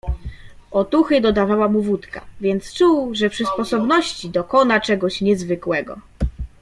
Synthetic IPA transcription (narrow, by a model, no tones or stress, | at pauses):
ɔt̪uxɘd̪ɔd̪avawamuvut̪ka̰vʲjɛnt̪st͡ʂuwʐɛpʂɘspɔsɔbnɔɕt͡ɕid̪ɔkɔnat͡ʂɛɡɔɕɲɛzvɘkwɛɡɔ̰